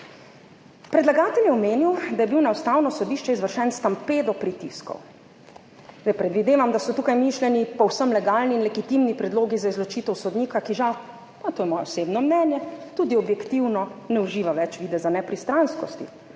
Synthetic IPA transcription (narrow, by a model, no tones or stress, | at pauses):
pɾɛd̪laɡaːt̪ɛljɛɔmeːniwd̪ajɛbiwnawst̪aːwnɔsɔd̪iːʃt͡ʃɛizʋəɾʃɛnst̪ampeːd̪ɔpɾit̪ḭskɔ̰w | j̪ɛpɾɛd̪ʋid̪eːʋamd̪asɔt̪uːkajmiːʃlʲɛnipɔwsəmlɛɡaːlniːnlɛɡit̪imnipɾɛd̪loːɡizaizlɔt͡ʃiːt̪ɛwsɔd̪niːkakiʒaw | at̪oːjɛmɔːjɛɔseːbnɔmnɛːnjɛt̪ud̪iɔbjɛkt̪iwnɔnɛuʒiːʋaʋɛt͡ʃʋiːd̪ɛzanɛpɾist̪ɾanskɔ̰st̪ḭ